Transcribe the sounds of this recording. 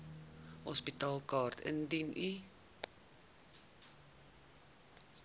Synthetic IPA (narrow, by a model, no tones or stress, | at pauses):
hɔspitɑːlˠkɑːrt̪ə̰ndinʔi